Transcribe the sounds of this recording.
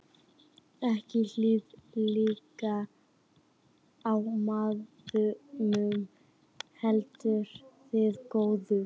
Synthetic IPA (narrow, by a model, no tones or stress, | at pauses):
ɛhcɪl̥iːðliːka | awmaːð | ʏmʏm | hɛlt̪ʏɾ̥θɪðkoːwðʏ